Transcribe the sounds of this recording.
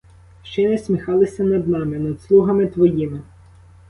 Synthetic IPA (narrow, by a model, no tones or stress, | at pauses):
ʃt͡ʃɛnɛsʲmʲixɑlˠɪsʲɐnɐd̪nɑmɪnɐd̪slˠuɦɐmɪt̪ʋɔjimɪ